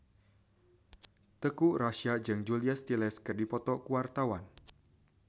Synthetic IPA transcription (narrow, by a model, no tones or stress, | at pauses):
t̪əkuraʃad͡ʒɨŋd͡ʒuliast̪ilɛskɨrdipɔt̪ɔkuwart̪awan